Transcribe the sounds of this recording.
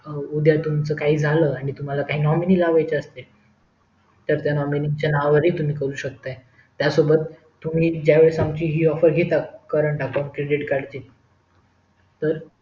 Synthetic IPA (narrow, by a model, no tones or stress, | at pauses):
ud̪ʱjat̪umt͡səkaɦiːd͡zʱaləaɽ̃it̪um̤alakaɦiːnɔminiːlaʋajt͡ɕeəst̪e | t̪əɾt̪janɔminiŋɡt͡ɕjanaʋaʋəɾiːt̪um̤iːkəɾuːɕək̚t̪aj | t̪jasobət̪ː | um̤iːd͡ʑjaʋeɭsamt͡ɕiːɦiːɔfəɾɡʱet̪akəɾəɳʈapɔɳkɾeɖiʈkaɽt͡ɕ̪iːt̪ | t̪əɾ